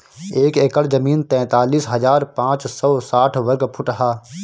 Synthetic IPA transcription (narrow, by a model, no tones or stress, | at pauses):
eːkeːkəlzɐmiːnt̪ɛ̃ːt̪aːliːsɦɐzaːɾpãːt͡ʃsɔːsaːʈʰʋɐɾɡpʰʊʈəɦaː